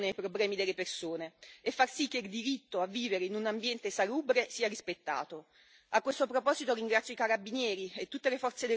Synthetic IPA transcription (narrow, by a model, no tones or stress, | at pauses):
neajpɾoblɛːmid̪elːepersoːneːfːarsik̟ːeild̪iɾit̪ːoavːiːveɾeinunambjɛnt̪esaluːbɾesiːaɾispet̪ːa̰ːt̪o | akwest̪opɾopɔːzit̪oɾiŋɡɾat̪sjoikaɾabːinjɛːɾiet̪ːut̪ːelefɔrt̪sed̪e